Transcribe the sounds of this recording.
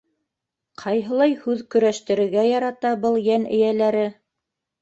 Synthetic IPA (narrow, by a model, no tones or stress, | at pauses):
qʰɑjɦɤ̆lˠɑjhʉðkɵ̆ɾæʃt̪ɘ̆ɾɘ̆ɾɡæjɑɾɑt̪ɑbɤlˠjænɘ̰̆jælæɾɘ